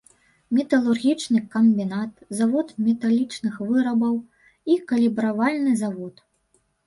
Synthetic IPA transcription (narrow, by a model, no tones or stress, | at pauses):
mʲɛt̪ɐlˠurɣʲit͡ʂnɨkɐmʲbʲinat̪̚zavɔt̪mʲɛt̪alʲit͡ʂnɨxvɨɾɐbɐw | ikɐlʲibɾavalʲnɨzavɔt̪